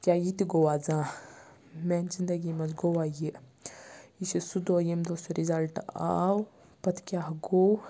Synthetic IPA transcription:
kʲjaːjit̪iɡowaːd͡zãː | mɛːnzind̪ɐɡimɐzɡowaji | isisud̪oːjemd̪osuɾizɐlʈa̰w | pɐt̪ʰkʲaːɦɡow

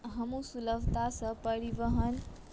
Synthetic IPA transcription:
ɦəmũsuləbt̪asə̃pəɾibəɦən

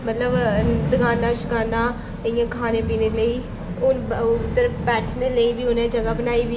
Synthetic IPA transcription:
mət̪ləbd̪əɡaːnaːʃə̥kaːɾnaː | əɪãːkʰaːneːpiːneːləiː | ʊnʊt̪ːəɾpɛːʈʰneːləiːbiːʊnẽːd͡ʒəɡaːbənaːiːbi

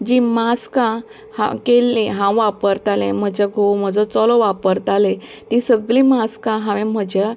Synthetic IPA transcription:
d͡ʑimaskã | hã̰kelĩɦãw̃ʋapəɾt̪alẽm̤əd͡ʑaɡʱowm̤əd͡zɔt͡sɔlɔʋapəɾt̪ale | t̪isəɡlĩmaskãɦãʋẽm̤əd͡ʑa

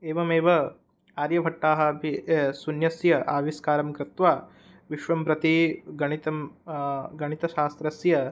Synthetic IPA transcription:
eːʋɐmeːʋɐ | aːɾjɐbʱɐʈːaːɦɐ̆bʱisunjɐsjɐʔaːʋiskaːɾɐmkɾɪt̪ʋaː | ʋiʃʋɐmpɾɐt̪iɡɐɳit̪ɐm | ɡɐɳit̪ɐʃaːst̪ɾɐsjɐ

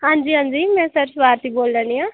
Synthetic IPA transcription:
ɦãːɲd͡ʒiːɦãːɲd͡ʒiːmɛ̃ːsəɾsʊʋaːɾt̪iːboːlɾəːniːãː

